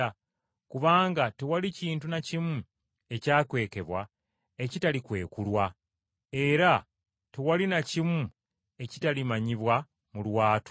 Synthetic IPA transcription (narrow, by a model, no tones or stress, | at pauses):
kuβaːŋɡatewaliciːntunacimu | e̞caːkwe̞ːke̞βwa | e̞citalikwe̞ːkulwa | e̞ɾa | tewalinacimu | e̞ci̥talimaɲiβwa | mulwaːtu̥